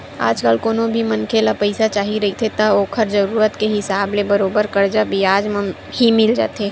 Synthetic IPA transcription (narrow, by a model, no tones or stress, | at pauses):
a̰ːd͡ʒkəlkoːnõbʱimənkʰelapəɪsat͡ʃaːɦiɾɐit̪ʰet̪aoːkʰəɾzəɾuːɾət̪keɦɪsaːblebəɾoːbəɾkəɾd͡ʒabʱiaːd͡ʒm | himɪld͡ʒa̰ːt̪eː